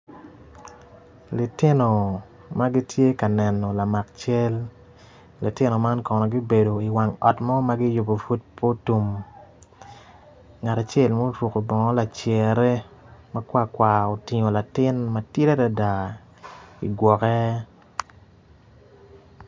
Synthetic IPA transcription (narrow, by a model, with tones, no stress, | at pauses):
li˨tɪ˦no˨ | ma˦ɡi˦tje˦ka˨nɛ˨nːɔ˨la˨ma˨k̚t͡ʃe˦l | li˨tɪ˦no˨ma˦nkɔ˨nɔ˨ɡi˦be˨do˨i˨wa˨ŋɔ˨tmɔ˦ma˦ɡɪ˦jʊ˨bo˨fu˦t̚pʰo˦tu˨m | ŋa˨ta˨t͡ʃɛ˦˨lmo˦twu˨ko˨bɔ˨ŋɔ˦la˨t͡ʃɛ˨ɾɛ˦ | ma˦kwa˦˨kwa˨o˨ti˨ɲo˨la˨tɪ˦nma˦tɪ˦ɾɛ˦da˨da˨ | ḭ˨ɡwɔ˨kɛ˦